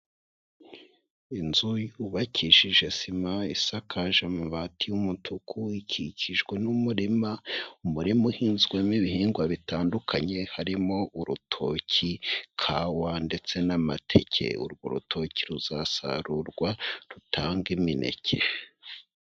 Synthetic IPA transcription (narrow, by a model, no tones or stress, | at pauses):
inzujuβacʰiʃiʒe̞simaisakʰaʒamuβatʰijumutʰukʰuicʰicʰiʒɡwe̞numuɾimaumuɾimuhiːnzɡwemiβihiːŋɡwaβitaːndukʰaɲe̞haɾimo̞ʔuɾutʰo̞̰cʰikʰaːwande̞t͡se̞namatʰe̞̰cʰe̞̰ṵɾɡo̰ɾṵtʰo̞ciɾuzasa̰ɾuɾɡwaɾutʰaːŋɡiminʔe̞̰cʰe